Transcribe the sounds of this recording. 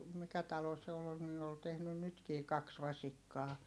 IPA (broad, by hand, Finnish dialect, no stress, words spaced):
mikæ tɑlo se ol niː ol tehnyn nytkiː kɑks ʋɑsikːɑː